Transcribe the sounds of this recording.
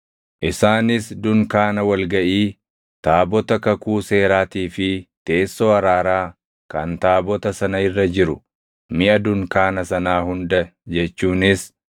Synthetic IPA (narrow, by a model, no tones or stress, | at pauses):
ʔɪsaːnɪsd̪ʊŋkaːnɐwɐlɡɐʔiː | t̪aːbɔt̪ɐkɐkuːse̞ːɾaːt̪iːfɪt̪e̞ːsːoɐɾaːɾaː | kɐnt̪aːbɔt̪ɐsɐnɐɪrːɐd͡ʒɪɾʊ | mɪʔɐd̪ʊŋkaːnɐsɐnaːhʊnd̪ɐd͡ʒɛt͡ʃːuːnɪs